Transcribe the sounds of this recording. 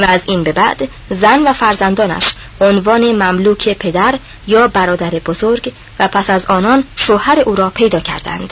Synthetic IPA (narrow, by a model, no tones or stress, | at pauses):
vææziːnbe̞bæʔd̪ | zænvæfæɾzænd̪ɒːnæ̰ʃ | ʔonvɒːne̞mæmluːcʰepʰe̞d̪æɾ | jɒːbæɾɒːd̪æɾe̞bozoɾɡ | væpʰæsæzɒːnɒːnʃohæɾe̞ʔuːɾɒːpʰe̞jd̪ɒːcʰæ̰ɾd̪æ̰nd̪̥